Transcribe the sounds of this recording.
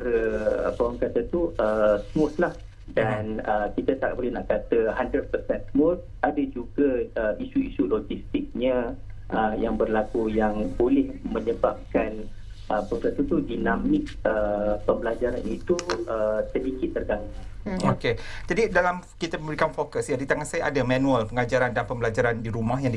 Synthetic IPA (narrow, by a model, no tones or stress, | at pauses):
ɾəə̰pawaŋkat̪ət̪uəsmɔt̪lah | danəkit̪at̪a̰ʔbolɛhnaʔkat̪əɦandɾəd̚pərsɛ̃nsmɔt̚ | ʔadəd͡ʒuɡəəisuisulod͡ʒist̪ɪk̚ɲəʔəjaŋbərlakujaŋbolɛhmə̃ɲəbap̚kan | ʔəpokast̪ut̪udinãmɪk̚əpəmbəlad͡ʒaɾanit̪uəsədikit̪̚ːərɡaŋaoked͡ʒadidalamkit̪amə̃mbɾikanfokəsjadit̪aŋansajaʔadamãnũalpəŋad͡ʒaɾandanpəmbəlad͡ʒaɾandiɾumaɦjãŋd